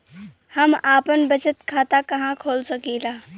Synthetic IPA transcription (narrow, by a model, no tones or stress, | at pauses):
hɐmaːpənbɐt͡ʃət̪kʰaːt̪akɐɦãkʰoːlsɐkiːlaː